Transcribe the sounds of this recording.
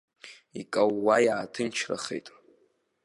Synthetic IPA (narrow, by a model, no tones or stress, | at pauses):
ikʼawːajaːtʰɨnt͡ʃʰra̰χḛjtʼ